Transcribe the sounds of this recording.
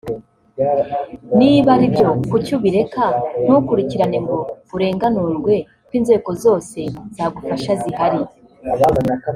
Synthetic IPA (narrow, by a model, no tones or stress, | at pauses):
niːβaɾibjo̞kucuβiɾe̞kan̥ukuɾiciɾaneŋɡoβuɾe̞ːŋɡanuɾɡwe̞ | kwinze̞ːko̞zo̞ːse̞z̥aːɡufaʃazihaɾi